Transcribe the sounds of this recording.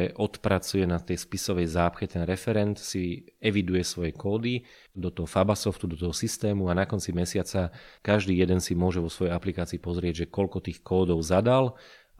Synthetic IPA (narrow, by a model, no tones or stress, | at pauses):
ʔɔt̪pɾat͡sujɛnat̪ɛjspisɔʋɛjzaːpxɛt̪ɛnɾɛfɛɾɛnt̪siɛʋid̪ujɛsʋɔjɛkɔːd̪i | d̪ɔt̪ɔɦɔfabasɔft̪ud̪ɔt̪ɔɦɔsist̪ɛːmuanakɔnt͡simɛsɪat͡sakaʒd̪iːjɛd̪ɛnsimʊɔʒɛʋɔsʋɔjɛjaplikaːt͡siːpɔzɾɪɛɟʒɛkɔlkɔt̪iːxkɔːd̪ɔʊzad̪al